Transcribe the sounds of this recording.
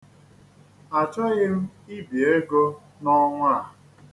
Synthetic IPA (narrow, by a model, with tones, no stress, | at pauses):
a˨t͡ʃɔ˦ɣɪ˦m̩˦i˦bi˨e˦ɡo˦ | nɔ˦ŋʷa˦˨